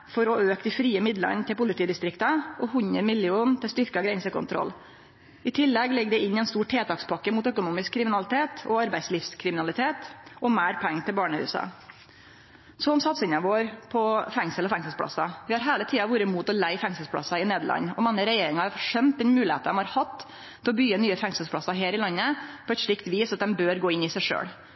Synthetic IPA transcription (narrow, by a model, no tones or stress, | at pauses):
fɔɾɔøːkd̪ɪfɾiːəmɪd̪lə̰nt̪ʰɪlpʊlɪt̪iːd̪ɪst̪ɾɪkt̪əʔɔhʉɲəmɪljuːnt̪ʰɪlst̪ʏɾkɑɡɾɛnsəkʰʊ̰nt̪ʰɾɔ̰lː | ɪt̪ʰɪlːɛɡlɛɡːd̪ɛɪnːɛɪnst̪uːʈʰːeːt̪ʰɑːkspʰɑkːəmuːt̪œkʊnuːmɪskʰːɾɪmɪnɑlɪt̪ʰeːt̪ɔɑɾbæɪsliːfskʰɾɪmɪnɑlɪt̪ʰeːt̪ɔmæːɾpʰæŋːt̪ʰɪlbɑːɳəhʉ̰ːsɑ̰ | sɔmsɑt̪sɪnːɑʋoːɾpʰɔfɛŋsəlɔfɛŋsəl̩spʰɽɑ̰sːɑʋɪhɑɾɦeːlət̪ʰiːɑʋuːɾəmuːt̪ɔlæɪfɛŋsəl̩spʰɽɑ̰sɑɪneːd̪əɭɑ̰nːɔmɑŋːəɾɛjeːɾɪŋɑɑfʂɛmt̪d̪ɛnmʉːlɪhḛːt̪əɔmhɑɾhɑt̪ː | t̪ʰːɛlɔbyːənyːəfɛŋsəlspʰɽɑsɑɦeːɾɪlɑnːəpʰɔɛt̪ʂɭɪkt̪ʋiːsɑt̪̚d̪ɛmbøːɾɡoːɪnɪsæɪʂø̰ːɽ